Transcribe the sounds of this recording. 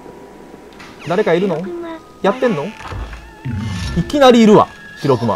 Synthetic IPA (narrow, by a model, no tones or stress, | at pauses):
d̪aɾe̞kaiɾɯ̟no̞ | jat̪ːẽ̞nːo | ikʲinaɾʲiːɾɯ̟βa̰ | çʲiɾo̞kɯ̟ma̰